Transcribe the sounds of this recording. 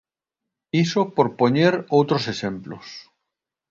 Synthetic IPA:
isopoɾpoɲeɾowt̪ɾosesemplos

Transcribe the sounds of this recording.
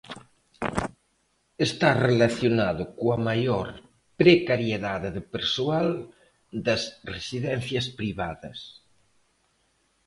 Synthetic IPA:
est̪arelaθjonaðʊkoɐmajoɾ | pɾekaɾjeðaðeðepeɾsual | d̪ɐsresiðɛnθjɐspɾiβaðɐs

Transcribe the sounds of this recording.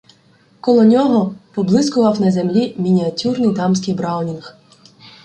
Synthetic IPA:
kɔlˠɔnʲɔɦɔpɔblˠɪskʊʋɐwnɐzʲemlʲimʲinʲiɐtʲurnɪjd̪ɑmsʲkɪjbɾɑwnʲinx

